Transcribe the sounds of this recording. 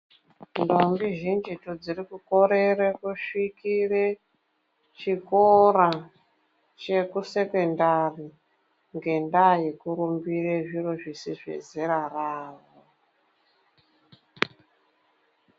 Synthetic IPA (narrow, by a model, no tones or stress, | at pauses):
ndombiʒind͡ʒitod͡zirikuko̞ɾeɾekuʂikire | t͡ʃikoɾa | t͡ʃe̞kuse̞ke̞ndari | ŋɡe̞ndajekuɾumbireʐiroʐisiʐḛzeɾaraːʋo